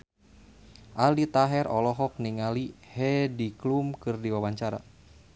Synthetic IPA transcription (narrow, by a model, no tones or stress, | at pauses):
ʔalit̪aɦɛɾɔlɔɦɔk̚niŋalihɛdiklumkɨrdiwawaɲt͡ʃaɾa̰